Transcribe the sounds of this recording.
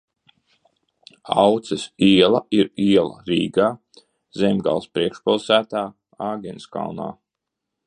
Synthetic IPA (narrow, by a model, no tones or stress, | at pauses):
awt̪sɛsiɛlˠaiɾiɛlˠa̰ɾiːɡaː | zɛmʲɡa̰lˠspɾiɛkʃpilˠsæːt̪aː | aːɡʲɛnska̰lna̰ː